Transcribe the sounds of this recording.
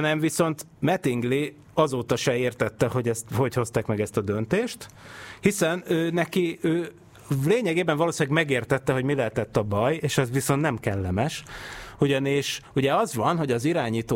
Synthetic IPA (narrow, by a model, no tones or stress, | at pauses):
nɛɱviso̞nt̪ | mɛt̪iŋɡli | ɒzoːt̪ɒʃɛeːrt̪ɛt̪ːɛho̞ɟɛst̪ho̞cho̞st̪aːkmɛɡɛst̪ɒd̪ø̞nt̪eːʃt̪hisɛnøːnɛkiøː | leːɲɛɡeːbɛɱvɒloːsilaɡmɛɡeːrt̪ɛt̪ːɛɦo̞ɟmilɛlt̪ɛt̪ːɒbɒjeːʃɛzʋiso̞nt̪nɛmkɛlːɛmɛʃuɟɒniʃuɟɛɒzʋɒnɦo̞ɟɒziɾaːɲiːt̪o